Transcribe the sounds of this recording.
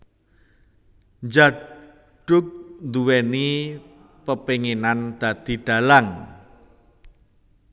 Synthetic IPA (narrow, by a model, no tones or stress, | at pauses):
ɲd͡ʒa | ɖ̥ʊk̚nd̪uwɛni | pəpeŋenand̪̥ä̤d̪̥i̤ɖ̥a̤laŋ